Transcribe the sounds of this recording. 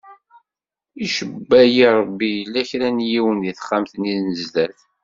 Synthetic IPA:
iʃəbːæjiɾˤbːijəlːæçɾænjiwənðiθə̥χːamθniðnəzdæθ

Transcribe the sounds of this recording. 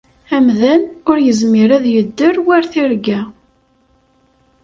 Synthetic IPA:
æmðænʊɾjəzmiɾæðjəd̪ːəɾwæɾθiɾɡæ

